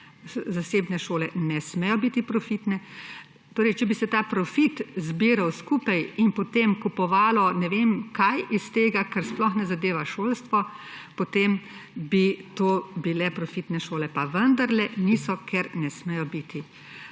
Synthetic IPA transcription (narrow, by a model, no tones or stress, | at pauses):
zaseːbnɛʃoːlɛnɛsmɛjɔbit̪ipɾɔfit̪nɛ | t̪oːɾɛjt͡ʃɛbisɛt̪aːpɾɔfit̪zbiːɾawskuːpajinpɔt̪emkupɔʋaːlɔnɛʋemkajist̪eːɡakəɾsplɔxnɛzad̪eːʋaʃoːlst̪ʋɔpot̪eːmbit̪oːbilɛpɾɔfit̪nɛʃoːlɛpaʋənd̪aɾlɛniːsɔkʰɛɾnɛsmɛjɔbiːt̪i